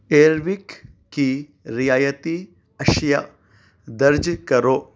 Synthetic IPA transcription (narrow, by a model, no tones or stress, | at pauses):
eːɾʋikː | i | ɾijaːjɐt̪i | ɐʃja | d̪ɐɾd͡ʒkɐɾoː